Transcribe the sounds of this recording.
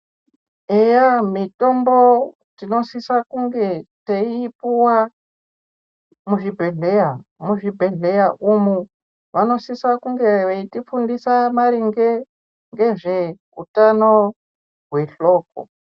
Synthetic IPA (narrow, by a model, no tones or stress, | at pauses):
ejamito̞mbo̞ | tino̞sisakuŋɡe̞teipuwa | muʐibʱeɮejamuʐibʱe̞ɮe̞jaʔumu | ʋano̞sisakuŋɡe̞ʋeitifundisamaɾiŋɡe | ŋɡe̞ʐe | utano | ɦwe̞ɬo̞ːk̚o̰